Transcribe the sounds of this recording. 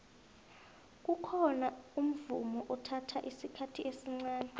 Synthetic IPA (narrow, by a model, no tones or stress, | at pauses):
k̬ukʰɔnaum̩vṵmɔʔɔtʰatʰaʔisikʰatʰiʔesiŋ͡ǀaːnɛ